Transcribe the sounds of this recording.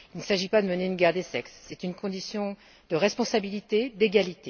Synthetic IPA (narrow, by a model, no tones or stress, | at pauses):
ilnəsaʒipad̪əməneynɡʲɛʁd̪esɛksːɛt̪ynkɔ̃d̪isjɔ̃ | d̪əʁɛspɔ̃sabilit̪ed̪eɡalit̪e